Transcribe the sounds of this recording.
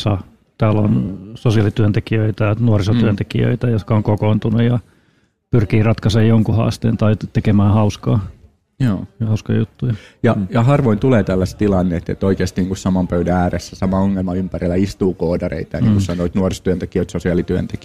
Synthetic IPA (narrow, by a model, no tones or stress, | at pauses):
sɑ | t̪æːlo̰nsosiɑlit̪yænt̪ekiøit̪ænuorisot̪yænt̪ekḭø̰it̪æjot̪kɑoŋkokoːnt̪unujjɑ | pyrkiːrɑt̪kɑsejjoŋkuhɑ̰ːst̪ḛːnt̪ɑit̪ːekemæːhɑuskɑː | joːhɑuskɑ̰jjut̪ːujɑjɑjɑhɑrʋoint̪uleːt̪ælːæst̪t̪ilɑnːeet̪ːḛt̪oikeːst̪iniːŋkussɑmɑmpøydææːresːæsɑmɑoŋːelmɑympærilːæist̪uːkoːdɑrḛit̪ɑjnniːŋːkussɑnoit̪nuorist̪yønt̪ekiøit̪sosiɑˑlit̪yø̰nt̪eki